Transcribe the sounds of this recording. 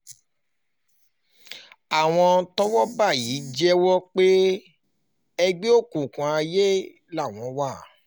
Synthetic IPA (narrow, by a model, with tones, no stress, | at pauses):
a˨w̃ɔ̃˧tɔ˦wɔ˦ba˦˨jiː˨˦d͡ʒɛ˦wɔ˦k͡pe˦ | ɛ˧ɡ͡be˦o˦˨kũ˨kũ˨a˧je˦ | la˦˨w̃ɔ̃˧wa˦˨